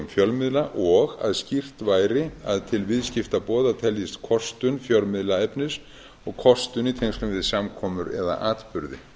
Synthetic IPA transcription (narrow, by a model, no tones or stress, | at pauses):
mfjœlmɪðlaʔɔɣa̰ðscir̥t̪vaːjɾɪa̰ðt̪ʰɪlvɪðscɪft̪apɔːðat̪ʰɛljɪst̪kʰɔst̪ʏnfjœlmɪðlaɛpnɪs | ɔɣkʰɔst̪ʏnit̪ʰejŋst̪ʏmvɪðsamkʰɔːmʏɾɛ̰ða̰ʔaːt̪pʏɾðɪ̰